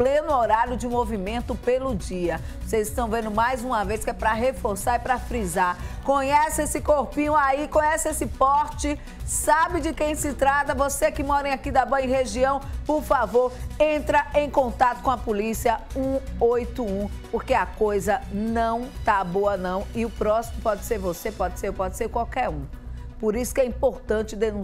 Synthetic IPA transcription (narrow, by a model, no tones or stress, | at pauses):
plẽnʊoɾaɾjʊd͡ʒɪũmovimẽnt̪ʊpelʊd͡ʒiɐ | vosezɪst̪ɐ̃w̃vẽnd̪ʊmajzũmɐveskɪɛpɾɐɦefoɾsaɾipɾɐfɾizaɾkõɲɛsesɪkoɾpĩɲʊaikõɲɛsɪesɪpɔɾt͡ʃɪ | sabɪd͡ʒɪkẽj̃sɪt̪ɾat̪ɐvosekɪmɔɾẽj̃akid̪ɐboẽj̃ɦeʒiɐ̃w̃poɾfavoɾẽnt̪ɾɐẽj̃kõnt̪at̪ʊ̥kõɐpolisiɐũojt̪ʊũpoɾkeɐkojzɐnɐ̃w̃t̪aboɐnɐ̃w̃ɪʊpɾɔsimʊpɔd͡ʒɪseɾvosepɔd͡ʒɪsepɔd͡ʒɪseɾkwawkɛɾũ | poɾisʊ̥kɛĩpoɾt̪ɐ̃nt͡ʃɪd̪enũ